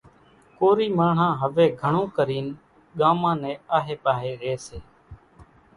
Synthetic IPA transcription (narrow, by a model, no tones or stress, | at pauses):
koːɾiːmaːɳ̤ãːɦəʋeːɡʱəɳõːkəɾiːn | ɠaːmãːnẽːaːɦeːpaːɦeːɾeːseː